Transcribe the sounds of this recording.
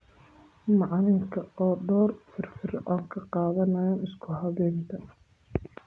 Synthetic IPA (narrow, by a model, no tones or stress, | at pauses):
mɑʕnɪŋkʰɐɔːɖɔːrfɪrfɪrʔɔːŋkʰɐqɑːðɐnɐjaːnɪskʰʊɦɐβɛːnt̪ʰɐ